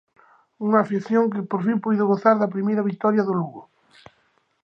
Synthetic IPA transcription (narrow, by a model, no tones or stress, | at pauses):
uŋafiθjoŋkepoɾfimpuðoɣoθaɾðap̬ɾimejɾaβik̚t̪ɔɾjaðoluɣo